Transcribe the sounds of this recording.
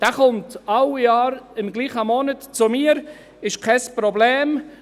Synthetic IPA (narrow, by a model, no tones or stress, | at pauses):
d̥aχʊmtawjɑːɾɪmɡliːχəmɔnətt͡sʊmiːəɾ | ɪʃkʰaspɾoblɛːm